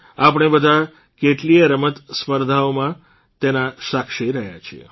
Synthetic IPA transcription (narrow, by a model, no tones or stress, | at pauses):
apɽ̃ebəd̪ʱa | keʈlieɾəmət̪spəɾd̪ʱaomã | t̪enaʃakʃiɾəɦja̰t͡ʃʰiḛ